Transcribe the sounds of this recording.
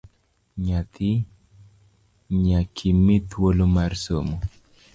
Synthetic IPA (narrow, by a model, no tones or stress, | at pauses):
ɲat̪ɪ | ɲakʰimːit̪wolomarsomo